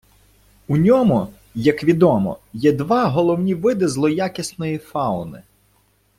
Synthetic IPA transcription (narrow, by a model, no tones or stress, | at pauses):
unʲɔmʊ | jɐkʋʲid̪ɔmɔ̰jɛd̪ʋɑɦɔlˠɔwnʲiʋɪd̪ɪzlˠɔjakʲɪsnɔjifɑʊnɪ